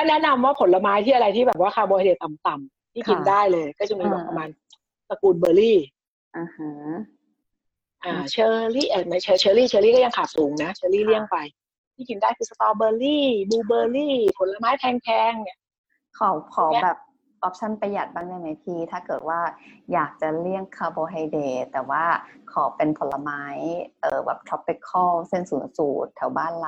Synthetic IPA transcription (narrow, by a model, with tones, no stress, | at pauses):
kɔː˥˩nɛ˦˥na˧mwaː˥˩pʰo˩˦nla˧maː˦˥jt̪ʰiː˥˩ʔɾa˧jt̪ʰiː˥˩bɛː˨˩p̚waː˥˩kʰaː˧wbɔː˧di˨˩t̪a˨˩mt̪a˨˩m | t̪ʰiː˥˩ki˧ndaː˥˩jlɤː˧jkɔː˥˩t͡ɕa˨˩miː˧o˨˩pa˧maː˧n | sa˧kuː˧nbɤː˧liː˥˩ | ʔaː˧˩ha˦ | ʔaː˧˩t͡ɕʰɤː˧liː˥˩ʔa˨˩ma˦˥jt͡ɕʰɤː˧t͡ɕʰɤː˧liː˥˩t͡ɕʰɤː˧liː˥˩kɔ˥˩ja˧ŋkʰaː˨˩t̪̚suː˨˩˦ŋna˦˥t͡ɕʰɤː˧liː˥˩li˥˩əŋpa˧j | t̪ʰiː˥˩ki˧ndaː˥˩jkʰɯː˧sa˧t̪ɔː˧bɤː˧liː˥˩buː˧bɤː˧liː˥˩pʰo˨˩˦nla˧maː˦˥jp̪ʰɛː˧ŋkʰɛː˧ŋni˧˩ | kʰa˨˩˦wkʰɔː˨˩˦bbɛː˨˩p̚ | ʔɔ˦p̚t͡ɕʰa˥˩npa˧jːa˨˩t̪̚baː˥˩ŋja˧˩ŋma˨˦jpʰiː˧t̪ʰaː˥˩kɤː˨˩t̪̚waː˥˩jaː˨˩k̚t͡ɕa˨˩li˥˩əŋkʰaː˧boː˧ɦa˧jdeː˨˧˩t̪ɛː˨˩waː˥˩kʰɔː˨˦pe˧npʰo˨˩˦nlːa˧maː˦˥jʔɤː˨˩bɛ̰ː˨˩p̚t͡ɕ̪ʰɔ˦˥pːe˦˥kʰːɔː˥˩wse˥˩nsuː˨˩˦nsuː˨˩t̪ʰːɛ˨˩˦wbaː˥˩nl